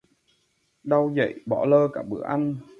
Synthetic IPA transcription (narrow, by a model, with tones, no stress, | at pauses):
ɗa˧wzə̰˧˨jɓɔ˧˩ləː˧kaː˧˩ɓɨ̰˧˩˦əʔa˧n